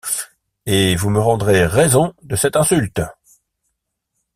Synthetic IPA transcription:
evuməʁɑ̃d̪ʁeʁɛzɔ̃d̪əsɛt̪ɛ̃sylt̪

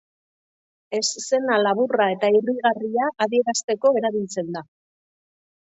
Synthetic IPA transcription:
e̞sse̞nalaβurae̞t̪airiɣariaʔːðie̞ɾast̪e̞ko̞e̞ɾaβilt͡se̞nd̪a

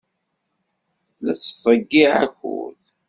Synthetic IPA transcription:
læt͡sːθˤəɡːiʕæ̰çṵð

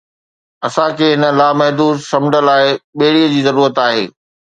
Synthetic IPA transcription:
ɐsãkʰeːɦɪnə̆laːmɐɦd̪uːd̪sɐ̃mɪɖəlaːɪɓeɦɪɽiəd͡ʑiːzɐɾuːɾət̪aːɦeː

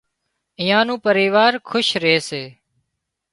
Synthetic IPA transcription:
ɪjãːnũːpəɾiːʋaːɾkʰʊʃɾeːseː

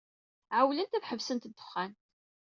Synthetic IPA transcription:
ʕawlənt̪æθħəvsənt̪əd̪ːə̥χːænt̪

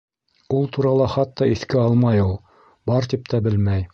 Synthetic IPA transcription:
ulˠt̪uɾɑlˠɑχɑt̪ːɑiθkɘɑlˠmɑjulˠ | bɑɾt̪ip̚t̪ʰæbɘlmæj

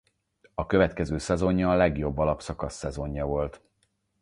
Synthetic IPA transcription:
ɒkø̞vɛt̪kɛzøːsɛzo̞ɲjɒːlɛɡjo̞bːɒlɒpsɒkɒsːɛzo̞ɲːɒvo̞lt̪

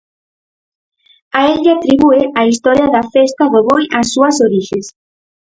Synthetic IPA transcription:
aeʎat̪ɾiβueaist̪ɔɾjɐðɐfest̪ɐðoβojɐsːuɐsoɾiʃes

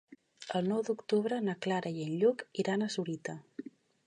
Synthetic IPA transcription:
əlˠnɔwd̪ukt̪uβɾənəklaɾʔəjənʎukiɾanəsuɾit̪ə

